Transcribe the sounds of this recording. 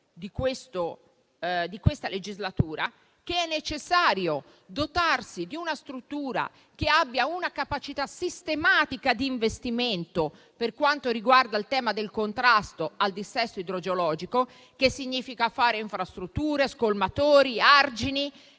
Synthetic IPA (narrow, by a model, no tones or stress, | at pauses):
d̪ikwest̪o | d̪ikwest̪aled͡ʒizlat̪uːɾa | keɛnːet͡ʃesːaːɾjo | d̪ot̪arsid̪iunast̪ɾut̪ːuːɾa̰ | k̟eabːjaunakapat͡ʃit̪asist̪emaːt̪ikad̪iːɱvest̪iment̪o | perkwant̪oɾiɡward̪ailt̪ɛːmad̪elkont̪ɾast̪oald̪isːɛsːoid̪ɾod͡ʒolɔːd͡ʒiko | kesːiɲːiːfikafaːɾeiɱfɾast̪ɾut̪ːuːɾeskolmat̪oːɾiard͡ʒini